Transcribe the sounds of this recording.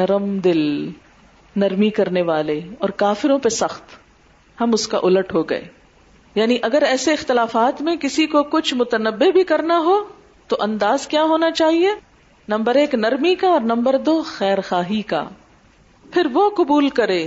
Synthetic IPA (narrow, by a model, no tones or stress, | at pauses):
nɐɾəmd̪ɪl | nɐɾmikɐɾneʋaːleɔːɾkaːfɪɾõpesɐxt̪ | hɐmʊska̰ʔʊləʈɦoɡɐ̰ḛː | jaːniʔɐɡəɾɛːseɪxt̪ɪlaːfaːt̪mẽkɪsikokʊt͡ʃʰmʊt̪ənəbːebʱikɐɾnaɦo | t̪oʔɐ̃nd̪aːzkjaːɦoːnat͡ʃaːɦie | nɐ̃mbəɾeːknɐɾmikaɔːɾnɐ̃mbəɾd̪oːxɛːɾxaːɦika̰ | pʰɪɾʋoqʊbuːlkɐɾeː